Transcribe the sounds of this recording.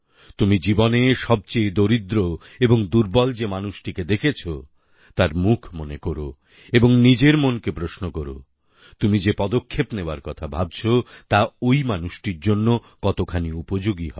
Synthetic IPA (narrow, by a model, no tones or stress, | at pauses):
t̪umid͡ʑiboneʃɔb̚t͡ɕejd̪oɾid̪ɾo | eboŋd̪uɾbɔld͡ʑemanuʃʈiked̪ekʰet͡ɕʰo | t̪aɾmukʰmonekoɾo̰ | eboŋnid͡ʑeɾmonkepɾosnokɔɾo̰ | t̪umid͡ʑepɔd̪okʰːepneoaɾkɔt̪ʰabʱab̚t͡ɕʰot̪aojmanuʃʈiɾd͡ʑonːo | kɔt̪okʰaniupod͡ʑoɡiɦɔ̰e